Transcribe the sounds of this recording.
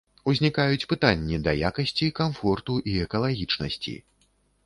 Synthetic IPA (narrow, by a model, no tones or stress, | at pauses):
uzʲnʲikajut͡sʲpɨt̪anʲːid̪ɐjakɐsʲt͡sʲikamfɔrt̪uʔiɛkɐlˠaɣʲit͡ʂnɐsʲt͡sʲḭ